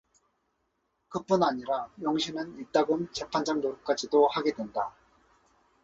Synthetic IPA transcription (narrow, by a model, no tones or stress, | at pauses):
kɯp͈unaɲiɾajʌŋɕʰinɯnit͈aɡont͡ɕe̞pʰand͡ʑaŋnoɾuk͈ad͡ʑidohaɡe̞dwe̞nda